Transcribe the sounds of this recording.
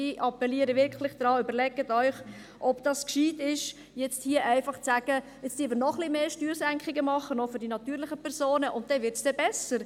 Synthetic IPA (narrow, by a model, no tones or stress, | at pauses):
iʔɑpɛliəɾəʋɪɾkʰlɪχd̥ɾɑːʏbəɾlɛɡətœʏχ | ʔɔpd̥ɑskʃiːtɪʃ | jɛt͡sthiːəʔæɪfɑχt͡sæɡ̥ə | ɛt͡std̥ivənɔχlɪmeːʃtyːɾsæŋkχɪɡəmɑχːənofʏɾdinɑt̪yːɾlɪχəpʰɛɾsoːnəʔʊnt̚d̥ɛvɪɾtsd̥ɛbɛsəɾ